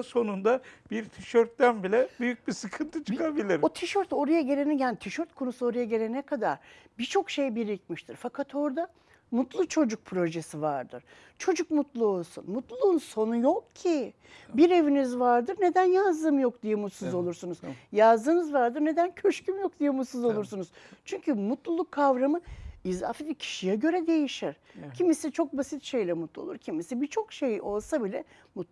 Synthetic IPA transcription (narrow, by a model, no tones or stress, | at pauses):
so̞nund̪ab̥iɾt̪ʰiʃøɾt̪d̪ænbilʲɛbyjyc̚bisɯkʰɯnt̪ʰɯt͡ʃʰɯkʰabilʲiɾot̪ʰiʃøɾt̪o̞ɾajaɟe̞lʲenɛjaːnit̪ʰiʃøɾt̪̚kʰo̞nusuo̞ɾajaɟe̞lʲenɛkʰad̪aɾ̥ | bit͡ʃʰo̞kʃe̞jbiɾicmiʃt̪ʰiɾfakʰat̪ʰo̞ɾd̪a | mut̪lˠut͡ʃʰo̞d͡ʒuk̚pʰɾo̞ʒesivaɾd̪ɯ̰ɾ̥ | t͡ʃʰo̞d͡ʒukmut̪lˠuo̞lˠsṵnmut̪lˠuːnso̞nujo̞kcʰi | biɾe̞vinizvaɾd̪ɯɾne̞d̪ænjazd̪ɯmjo̞k̚d̪ijɛmut̪suzo̞lˠuɾsunuz̥jazd̪ɯːnɯzvaɾd̪ɯɾne̞d̪æncʰøʃcymjo̞k̚d̪ijɛmut̪suzo̞lˠuɾsunuz̥t͡ʃʰyɲcymut̪lˠulˠukʰːavɾamɯiza̰ːfet̪icʰi̥ʃijɛɟø̞ɾɛd̪e̞jiʃiɾ̥cʰimisit͡ʃʰo̞k̚basit̪ʃe̞jlʲɛmut̪lˠuo̰lˠuɾcʰimisibit͡ʃʰo̞kʃe̞jo̞lˠsabilʲɛ | mut̪